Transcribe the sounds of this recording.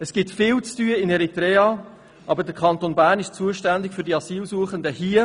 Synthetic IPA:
əsɡ̥ɪtfɪːlt͡styəɪnɛɾitɾɛːɑ | ʔɑbədəɾkʰɑntonbæːɾnɪʃt͡suəʃtændɪkfʏɾdiɑsiːlsuːəχəndəhiːə

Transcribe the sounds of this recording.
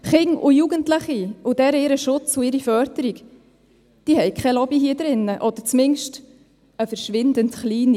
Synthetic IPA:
χɪŋʊ̰juːɡəntlɪχiʊdɛɾəɪɾəʃʊt͡sʊɪɾifœɾdəɾik | d̥iːhɛɪkʰɛlɔbiɦiːəd̪ɾɪnːəʔɔd̥̪əɾt͡smɪŋʃt | əfəɾʃʋɪndəntχliːni

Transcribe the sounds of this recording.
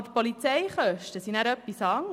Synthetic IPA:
dəpɔlit͡sɛɪχœʃtəsinæɾœpːisɑŋ

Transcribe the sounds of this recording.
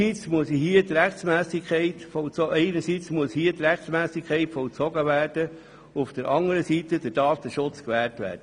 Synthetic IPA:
it͡smuəshiətɾɛχt͡smæːsikʰχɛɪtfɔlt͡sɔɛɪnəɾsit͡smuəshiət̪ɾɛχtt͡smæːsɪkʰɛɪtfɔlt͡sɔɡəʋæːrd̥ə | ufd̥əɾʔɑŋəɾəsiːt̪əd̥əd̥ɑːfd̥̪əʃʊt͡skʋæːɾtʋæ̰ːɾdə

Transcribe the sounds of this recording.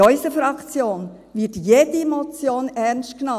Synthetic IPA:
ɔʏsəfɾɑkt͡sjoːn | vɪtjeːdəemot͡sjoːnɛnst̚knɑ

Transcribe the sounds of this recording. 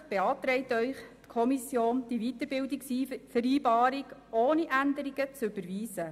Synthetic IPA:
b̥eɑːt̪ɾɛɪt̪œʏχtkʰɔmisjoːnd̥ivit̪əɾbɪldiksifəɾiːbɑːɾiɡoːniʔænd̪əɾiɡ̥ət͡sʉb̥əɾʋiːzə

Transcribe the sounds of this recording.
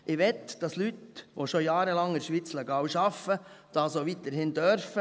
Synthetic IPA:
ʔɪʋɛtd̥ɑslytʋoʃojɑːɾəlɑŋɪɾʃʋiːt͡slɛɡɑːwʃɑfəd̥ɑsoʋit̪əɾhɪnd̪œɾfə

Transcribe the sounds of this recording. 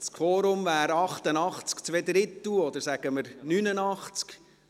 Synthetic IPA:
skʰfɔːɾʊmvæːɾɑχt̪ənɑχt͡skt͡sʋɛd̪ɾɪt̪uɔd̪əɾsæɡ̥əməɾnynənɑχt͡sk

